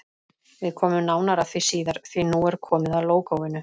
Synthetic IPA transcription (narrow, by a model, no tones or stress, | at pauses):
vɪðkʰɔːmʏmnaːwnaɾaθvisiːðaɾ̥θvinuːɛɾ̥kʰɔːmɪðaðloːwkawvɪnːʏ